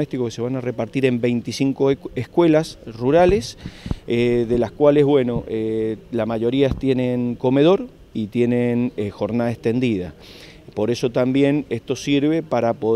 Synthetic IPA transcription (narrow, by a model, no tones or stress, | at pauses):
est̪ikokese̞βanare̞paɾt̪iɾe̞mbe̞jnt̪isiŋko̞ehkwe̞lasruɾale̞seðe̞laskwale̞zβwe̞no̞ʔelasmaʝo̞ɾiast̪je̞nẽ̞ŋko̞me̞ðo̞ɾ | it̪je̞nenxo̞ɾnaðaest̪e̞nd̪iða̰ | po̞ɾe̞so̞t̪ambje̞nest̪o̞siɾβe̞paɾapo